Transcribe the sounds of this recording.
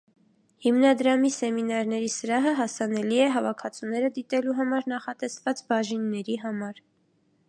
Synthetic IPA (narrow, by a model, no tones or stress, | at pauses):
himnɑd̪ɾɑmisɛminɑɾnɛɾisəɾɑɦəɦɑsɑnɛliɛɦɑvɑkʰɑt͡sʰunɛɾəd̪it̪ɛluɦɑmɑɾnɑχɑt̪ɛsvɑt͡sbɑʒinːɛɾiɦɑmɑɾ